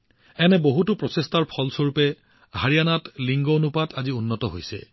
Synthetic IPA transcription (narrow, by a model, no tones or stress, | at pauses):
ɛnɛboɦutʊpɹɔsestaɹpʰɔlsoɹupɛ | ɦaɹijanatliŋɡonupatʰaziunːɔtɔɦo̰jsɛ̰